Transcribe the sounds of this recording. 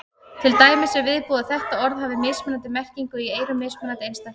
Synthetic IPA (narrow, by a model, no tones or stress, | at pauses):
t̪ʰɪlt̪aːjmɪsɛvɪðpɔːðaθɛht̪aɔɾðhavɪmɪsmʏnant̪ɪmɛr̥ciŋkʏieːjɾʏmːɪːsmʏnant̪ɪejnst̪a